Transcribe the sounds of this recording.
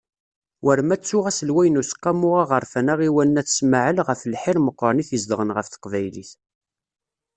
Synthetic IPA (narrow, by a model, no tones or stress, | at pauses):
wəɾmæt͡sːʊʁæsəlwæjnusə̥qːɑmʊʁaʁəɾˤfænæʁiwænːæθsməʕəlʁəflħɪɾməqːɾˤɑniθjəzd̪əʁənʁəfθə̥qvæjlḭθ